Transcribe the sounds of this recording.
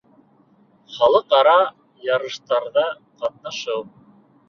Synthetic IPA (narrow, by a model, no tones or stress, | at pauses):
χɑlˠɤqɑɾɑ | jɑɾɤ̆ʃt̪ɑɾðɑ | qɑt̪̚nɑʃɤw